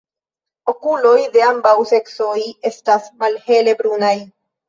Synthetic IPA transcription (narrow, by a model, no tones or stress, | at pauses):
o̞kulo̞jde̞ambawse̞ksoje̞stasmalhe̞le̞bɾunaj